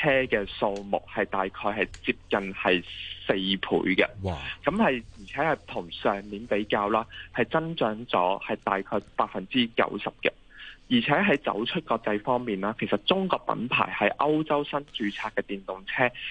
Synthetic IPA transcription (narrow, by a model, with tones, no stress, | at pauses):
t͡sʰɛː˥kɛː˧so˧wmʊ̰˨˩k̚hɐ˨jt̪aː˨jkʰɔː˧jhɐ˨˩jt͡siː˧p̚kɐ˨nhɐ˨jse˧jpʰṵː˨˥jkɐ̰˧kɐ˨˥mhɐ˨jjiː˨˩t͡sʰɛː˨˥hɐ˨jt̪ʰʊ˨˩ŋsœː˨˩ŋmiː˨˥npe˨˥jkaː˧wlaː˥hɐ˨jt͡sɐ˥nt͡ʃœː˨˥ŋt͡sɔ̰ː˨˥hɐ˨˩jt̪aː˨jkʰɔː˧jpaː˧t̚fɐ˨nt͡siː˥kɐ̰˨˥wsɐ˨p̚kɛ˧ | jiː˨˩t͡sʰɛː˨˥ɦɐ˨˥jt͡sɐ̰˨˥wt͡ʃʰɵ˥t̚kɔː˧k̚t͡sɐ˧jfɔː˥ŋmiː˨˩nlaː˥kʰe˨˩jsɐ˨˩t̚t͡sʊ˥ŋkɔː˧k̚pɐ̰˨˧˥npʰa̰ː˨˩jhɐ˨˥jʔɐ˥wt͡sɐ˥wsɐ˥nt͡ʃyː˨˥t͡sʰaː˧kːɛː˧t̪iː˨˩nt̪ʊ˨ŋt͡sʰɛː˥